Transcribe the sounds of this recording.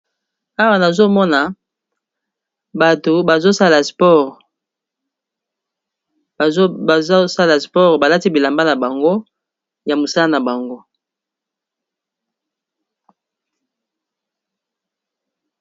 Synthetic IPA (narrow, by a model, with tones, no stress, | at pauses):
a˦wa˨na˨zo˦mɔ˦na˨ | ba˨to˨ba˨zo˦sa˦la˨spɔ˦ʁ | sa˦la˨spɔ˦ʁba˨la˦ti˦bi˨la˨mba˦na˨ba˨ŋɡo˦ | ja˨mo˨sa˦la˦na˨ba˨ŋɡo˦